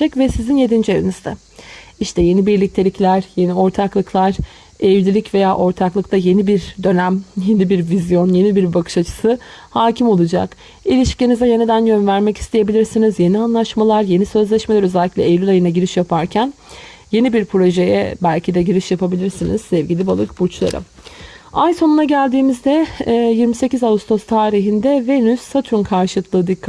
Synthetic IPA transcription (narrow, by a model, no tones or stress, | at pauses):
akvɛsizinje̞d̪ind͡ʒie̞vinizd̪ɛ | iʃt̪ʰɛje̞nibiɾlʲic̚t̪ʰelʲiclʲæɾ̥je̞nio̞ɾt̪ʰaklˠɯklˠaɾ̥ | ɛvlʲilʲicve̞jaːʔo̞ɾt̪ʰaklˠɯkt̪ʰaje̞nibiɾd̪ø̞næmje̞nibiɾvizjo̞nje̞nibiɾbakʰɯ̥ʃat͡ʃʰɯ̥sɯhaːcʰimo̞lˠud͡ʒa̰k | ilʲiʃcenizɛje̞nid̪ænjønvæɾmɛci̥st̪ʰeje̞bilʲiɾsinizje̞nianlˠaʃmalˠaɾje̞nisø̞zlʲɛʃme̞lʲæɾø̞zælʲːicʲlʲɛejlʲylajɯnaɟiɾiʃjapʰaɾcʰæn | je̞nibiɾpʰɾo̞ʒe̞jɛ̰bælʲcʰid̪ɛɟiɾiʃjapʰabilʲiɾsinḭz̥sɛvɟilʲibalˠɯk̚but͡ʃlˠa̰ɾɯ̰m | ajso̞nunaɟælʲd̪iːmizd̪ɛjiɾmise̞cizaust̪ʰost̪ʰaːɾiɦind̪ɛve̞nysːat̪ʰɾunkʰaɾʃɯlˠɯkʰlˠɯːd̪ikː